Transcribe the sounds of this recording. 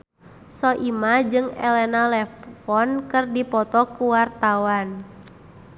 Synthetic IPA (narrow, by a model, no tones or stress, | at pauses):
sɔʔimad͡ʒɨŋɛ̰lɛnalɛfɔnkɨrdipɔt̪ɔkuwart̪awan